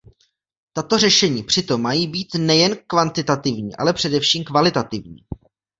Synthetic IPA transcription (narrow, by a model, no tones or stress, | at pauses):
t̪at̪o̞rɛʃɛɲiːpr̝̥ɪt̪o̞mːajiːbiːt̪nɛjɛnkvant̪ɪt̪at̪ɪvɲḭːʔa̰lɛpr̥ɛdɛfʃiːmkvalɪt̪at̪ɪvɲḭː